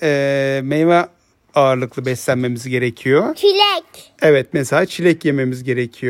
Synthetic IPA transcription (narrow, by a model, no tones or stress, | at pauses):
ɛːmejma | aːɾlˠɯklˠɯbɛslʲænme̞mizɟe̞ɾecʰijot͡ʃʰilʲɛc | evɛt̪̚mɛsalʲaːt͡ʃʰilʲɛcjeme̞mizɟe̞ɾecʰijo